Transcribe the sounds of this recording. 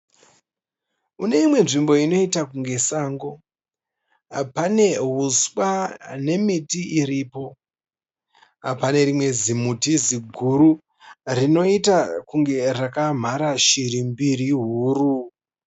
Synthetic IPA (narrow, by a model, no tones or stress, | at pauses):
une̞imwe̞nʐimbo̞ino̞itakuŋɡe̞saːŋɡo̞ | apane̞ɦuswane̞mitiʔiɾiːpo̞ | apane̞rimwe̞zimutiziɡʱuɾu | rino̞itakuŋɡe̞rakam̤aɾaʃiɾimbiriɦuːru